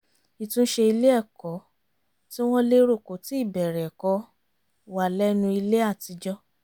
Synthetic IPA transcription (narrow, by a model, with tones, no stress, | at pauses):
i˨tũ˦ʃe˧i˧le˦ɛ˦˨kɔ˨˦ | ti˦w̃ɔ̃˦le˦ɾo˦˨ko˨˦ti˦˨bɛ˨ɾɛ˨kɔ˨˦ | wa˨lɛ˦nũ˧i˧le˦a˦˨ti˧d͡ʒɔ˦